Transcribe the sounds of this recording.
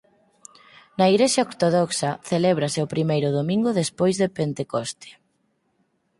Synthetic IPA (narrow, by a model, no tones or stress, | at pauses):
nɐiɣɾeʃjaoɾt̪oðɔksɐθelɛβɾɐseopɾimejɾʊðomĩŋɡʊðespojzðepent̪ekost̪ʰɪ̥